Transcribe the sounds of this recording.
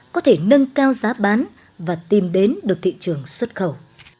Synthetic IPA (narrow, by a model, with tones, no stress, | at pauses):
kɔ˨˦t̪ʰe˧˩nə˧ŋkaː˧wzaː˨˦ɓaː˨˦n | vaː˨˩t̪i˨˩mɗe˨˦nɗɨ˨˩ək̚t̪ḭ˧˨t͡ɕɨ˨˩əŋswə˦˥t̚xə˧˩w